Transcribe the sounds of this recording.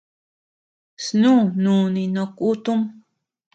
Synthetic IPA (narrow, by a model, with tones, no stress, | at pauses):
snũː˦nũ˨nĩ˧nõ˧ku˦t̪u˦m